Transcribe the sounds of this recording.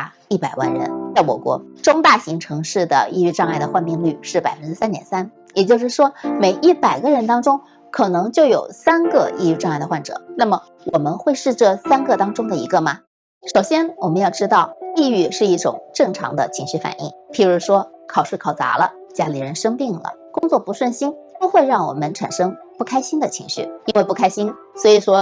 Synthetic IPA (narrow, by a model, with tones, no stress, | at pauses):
i˥˩pa˨˩ɪwa̰˥˩nɻə̰˧˥nt͡sa˥˩ɪwɔ̰˨˩kwɔ̰˧˥ʈ͡ʂʊ˥ŋt̪a˥˩ɕi˧˥ŋʈ͡ʂʰɤ˧˥ŋʂɻ̩˥˩d̪ə̰˩ḭ˥˧y˥˧ʈ͡ʂɑ˥˧ŋa˥˩ɪd̪ə˩xwa˥˧nmi˥˧ŋly˥˧ʂɻ̩˥˩pa˨˩ɪfə˦nʈ͡ʂɻ̩˥sa˥nt̪jɛ̰˨˩nsa˥n | jɛ˨˩t͡ɕjo˥˧ʊʂɻ̩˥˩ʂwɔ˥me˨˧˩ɪʔi˥˩pa˨˩ɪɡə˦ɻə˧˥nt̪ɑ˥ŋʈ͡ʂʊ˥ŋ | kʰɤ˨˩nɤ˧˥ŋt͡ɕjo˥˩ʊjo˨˩ʊsa˥nɡɤ˥˧ḭ˥˧y˥˧ʈ͡ʂɑ˥˧ŋa˥˩ɪd̪ə˧xwa˥˩nʈ͡ʂɤ̰˨˩˦na˥˩mə˩ | wʔɔ˨˩mə˦nxwe˥˧ɪʂɻ̩˥˧ʈ͡ʂɤ˥˧sa˥nɡɤ˥˧t̪ɑ˥ŋʈ͡ʂʊ˥ŋd̪ə˨i˧˥ɡə˧mɐ˩ | ʂo˨˩ʊɕjɛ˥nwɔ˨˩mə˦njɑ˥˩ʈ͡ʂɻ̩˥t̪ɑ˥˩ʊi˥˧y˥˧ʂɻ̩˥˧i˥˩ʈ͡ʂʊ̰˨˩˦ŋʈ͡ʂɤ˥˩ŋʈ͡ʂʰɑ̰˧˥ŋd̪ə̰˧t͡ɕʰi˧˥ŋɕy˥˩fa̰˨˩nḭ˥˩ŋpʰi˧˥ɻu˧˥ʂwɔ˥kʰɑ˨˩ʊʂɻ̩˥˩kʰɑ˨˩ʊt͡sa̰˧˥lə̰˧t͡ɕja˥li˧˥ɻə˧˥nʂɤ˥ŋpi˥˩ŋlə̰˩kʊ˥ŋt͡swɔ˥˩pu˧˥ʂwə˥˩nɕi˥npo˥xwe˥˧ɪɻɑ˥˩ŋwɔ̰˨˩mə˦nʈ͡ʂʰa̰˨˩nʂɤ˥ŋ | pu˥˩kʰa˥ɪɕi˥nd̪ə˨t͡ɕʰi˧˥ŋɕy˥˩i˥nwe˥˧ɪpu˥˩kʰa˥ɪɕi˥n | swɔ˧˥i˨˩ʂwɔ˥